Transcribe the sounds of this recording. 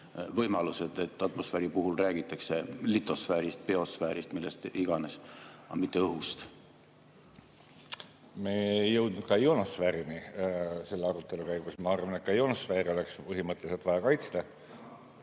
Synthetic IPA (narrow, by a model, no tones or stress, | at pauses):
vɤjmɑluse̞d̪̥e̞t̪ˑːɑt̪mo̞sfæːɾipuɦulræːɡ̥it̪ˑːɑkse̞lit̪ˑːo̞sfæːɾist̪̚pe̞o̞sfæːɾist̪milːest̪iɡ̥ɑnesɑ̰mit̪ˑːe̞ɤɦust̪ | meejɤwd̪̥̚nud̪̚kɑjonɑsfæːɾinise̞lːeɑɾut̪ːˑe̞lukæjɡukusmɑɑrvɑnet̪kɑjonɑsfeːɾiolekspɤɦimɤt̪ːˑeliselt̪vɑjɑkɑjt̪st̪ɑ